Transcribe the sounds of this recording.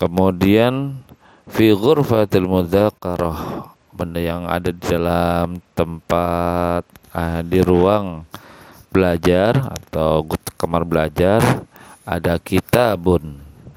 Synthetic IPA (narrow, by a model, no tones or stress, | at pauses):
kəmudian | fiɣʊrfat̪almuðakaɾah | bəndajaŋa̰dadidalamt̪əmpat̪̚adiɾuaŋ | b̥əlad͡ʒara̰t̪awɡʊt̪̚kamarbəlad͡ʒara̰dakit̪abʊn